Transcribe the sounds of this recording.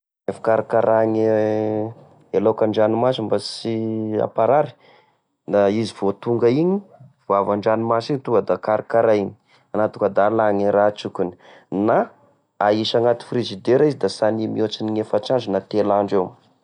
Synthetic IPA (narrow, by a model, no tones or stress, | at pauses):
efḁkaɾakaɾaŋi | elokaɳɖ͡ʐanimasimbasia̰paɾaɾi̥ | nd̪aiziv̥ot̪uŋɡəiɲiv̥uavaɳɖ͡ʐanimasiɲit̪uŋɡəd̪akaɾikaɾaini̥ | anat̪u̥kad̪alaŋiɾat͡sukʲuni̥na | aiʃaŋat̪i̥frezid̪eɾaizid̪asanimiot͡siniŋefaʈ͡ʂazunat̪elaɳɖ͡ʐew